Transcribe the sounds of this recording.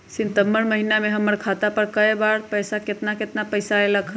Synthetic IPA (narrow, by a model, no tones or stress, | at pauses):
sint̪əmːəɾməɦinameɦəmːəɾkʰat̪apəɾkəjbaɾpəjsaket̪naket̪napəjsaeləkʰ